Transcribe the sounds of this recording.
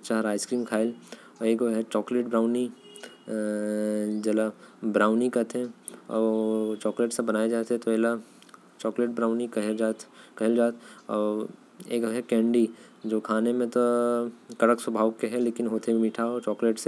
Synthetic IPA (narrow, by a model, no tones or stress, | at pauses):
t͡ʃaːɾaːɪskɾiːmkʰaːɪl | ɔeːkoɦɛt͡ʃɔːkleːʈbɾaːʊni | d͡ʒɐlabɾaːʊnikɐt̪ʰẽɔ̰ːt͡ʃɔːkleːʈsẽbɐnaːjed͡ʒaːt̪ɦɛt̪oɛːla | t͡ʃɔːkleːʈ̚bɾaːʊnikɐd͡ʒaːt̪kɐɦɪld͡ʒaːt̪ʰɔː | eːkoɦɛkɛ̃ːɳɖi | d͡ʒoːkʰaːnemẽt̪o | kɐɽəkswɐbʱaːʋkeɦɛleːkɪnɦoːt̪ʰeimiʈʰaot͡ʃɔːkleːʈse